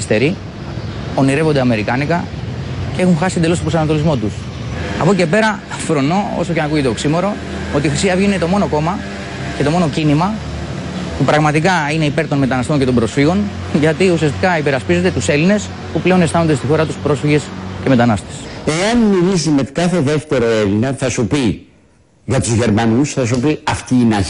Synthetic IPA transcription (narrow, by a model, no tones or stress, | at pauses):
ist̪e̞ɾi | o̞niɾe̞vo̞nd̪e̞ɐme̞ɾikɐnikɐcee̞xunxɐsi̥nd̪elo̞stopɾo̞sɐnɐt̪o̞lizmo̞t̪us | ɐ̰poce̞pe̞ɾɐ | ɐfɾo̞no̞oso̞cenɐkuʝet̪oksimo̞ɾo̞ | o̞t̪iːxɾisiɐvʝenet̪o̞mo̞no̞ko̞mɐ | ce̞t̪o̞mo̞no̞cinimɐ | pupɾɐɣmɐt̪ikɐine̞ipe̞ɾt̪o̞nme̞t̪ɐnɐst̪o̞ɲcet̪obɾo̞sfiɣo̞n | ʝɐt̪iusiɐst̪ikɐipe̞ɾɐspize̞t̪e̞t̪use̞line̞s | puple̞o̞ne̞st̪ɐnond̪est̪ixo̞ɾɐt̪u̥spɾo̞sfiʝe̞sce̞me̞t̪ɐnɐst̪e̥seɐnmilisime̞kɐθe̞ðe̞ft̪e̞ɾo̞elinɐθɐsupi | ʝɐt̪uzʝe̞ɾmɐnusθɐsupiɐft̪iːnɐ